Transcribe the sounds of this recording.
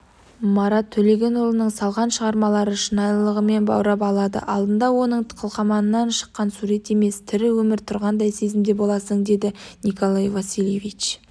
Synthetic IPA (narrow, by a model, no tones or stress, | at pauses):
mɑɾɑt̪ʰːɵle̞ɡʲe̞nolˠənəɴsɑlˠʁɑnʃəʁɑɾmɑlˠɑɾəʃənɑjlˠəʁəme̞nbɑ̰wɾɑp̬ɑlˠɑd̪ə̰ʔɑlˠd̪ənd̪ɑwo̞nəɴqʰəlˠqɑmɑnənːɑnʃə̥qːɑnsuɾe̞t̪e̞me̞st̪ʰɪɾɪwɵmɪɾt̪ʰʊɾʁɑnd̪ɑjse̞zɪmd̪e̞bo̞lˠɑsəɴd̪e̞d̪ɪnikʰo̞lˠajvasilʲjevit͡ʃ